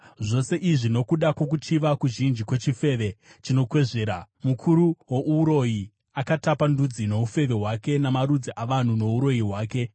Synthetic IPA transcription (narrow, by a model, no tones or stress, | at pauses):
ʐo̞se̞ʔiʐino̞kuɗakwo̞k̬ut͡ʃiʋakuʒind͡ʒikwe̞t͡ʃife̞ʋe̞t͡ʃino̞kwe̞ʐe̞ːɾa | mukʰuɾuwo̞ʔuːɾo̞ji | akatapandud͡zino̞ufe̞ʋe̞ɦwake̞namaɾud͡ziʔaʋan̤uno̞uɾo̞jiɦwaːke̞